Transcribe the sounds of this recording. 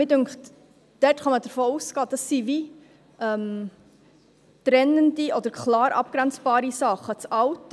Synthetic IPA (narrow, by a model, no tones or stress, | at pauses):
ɪdʉŋkχt | d̥ɛtχɑmədərfoːuskɑːd̥ɑsːivi | ʔəm | tɾɛnəndiʔɔdəɾkʰlɑːɾʔɑ̰p̚ɡ̥ɾænt͡sb̥ɑːɾisɑχət͡sɑwt